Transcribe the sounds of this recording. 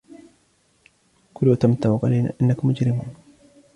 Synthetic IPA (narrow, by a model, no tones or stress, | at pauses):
kʊluːt̪amt̪auqalajna̰ːʔɪnːakʊmːʊd͡ʒɾɪmuːn